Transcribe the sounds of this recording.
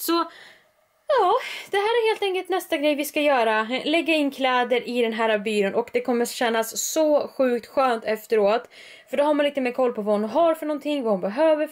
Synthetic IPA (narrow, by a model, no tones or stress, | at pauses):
sɔ | jɑːd̪̥ɛɦæːɾæɾheːlt̪ɛŋkəlt̪nɛst̪aɡɾɛjvɪskajœːɾalɛɡːaɪnːkʰlɛːd̪əɾʔɪd̪ɛnɦæːɾabyːɾʊnʔɔkd̪ɛkʰɔmːəɕɛnːasːɔɧʉ̟ːk̚t̪ɧøːnt̪ɛft̪əɾoːt̪ | fœɖɔhaɾmanliːt̪əmeːɾkʰɔlːpʰɔvanɦaɾfœɳɔnt̪ʰɪŋːvaʊnbɛɦøːvə